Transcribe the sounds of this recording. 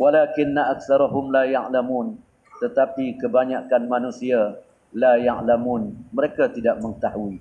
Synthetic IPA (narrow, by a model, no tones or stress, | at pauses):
walakɪnːaʔak̚θaɾaɦʊmlajaʕlamun | t̪ət̪apikəbaɲakanmãnũsia | lajaʕlamunməɾekat̪idaʔ̚məŋət̪aɦui